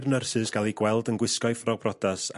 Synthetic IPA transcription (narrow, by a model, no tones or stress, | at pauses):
rnərsɨzɡ̥alˠiɡwɛlˠdənɡwɪskɔjfrɔbrɔdas